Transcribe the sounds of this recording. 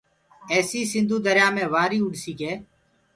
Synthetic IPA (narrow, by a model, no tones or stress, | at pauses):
ɛːsiːsɪ̃nd̪uːd̪əɾjaːmẽːʋaːɾiːʊɖsiːkeː